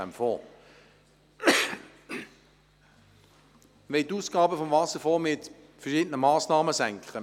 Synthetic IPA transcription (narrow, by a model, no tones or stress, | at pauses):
æmfɔ | ʋɛɪt̪uːsɡ̥ɑːbəfɔmvɑsəfɔːmɪt̪ | fəʃɪːdənəmɑːsnɑːməsæŋkχə